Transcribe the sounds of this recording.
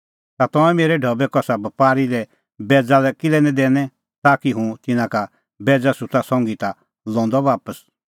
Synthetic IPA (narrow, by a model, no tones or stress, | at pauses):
t̪at̪ɔ̃ɛ̃meːɾɛɖʱɔbɛkɔsabɐpaːɾilɛ | bɛːd͡zalɛkɪlɛnɛ̃d̪ɛːnɛ̃ | t̪aːkiɦũt̪ɪnãka | bɛːd͡zasʊtasɔ̃ŋɡit̪a | lɔ̃ːnd̪ɔʋaːpəs